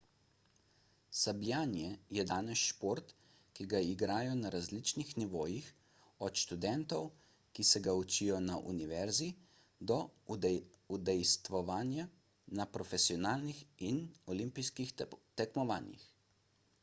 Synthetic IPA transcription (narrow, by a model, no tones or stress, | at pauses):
sablʲjaːnjɛjɛd̪aːnɛsʃpoɾt̪ | kiɡaiɡɾaːjɔnaɾazlit͡ʃnixniʋoːjix | ɔt̪ʃt̪ud̪ɛnt̪ɔw | kisɛɡaut͡ʃijɔnaʔṵniʋɛɾzi | d̪ɔ | ud̪ɛjst̪ʋɔʋaːnja | napɾɔfɛsiɔnaːlnixinɔlimpijskixt̪ɛkmɔʋa̰ːnjḭx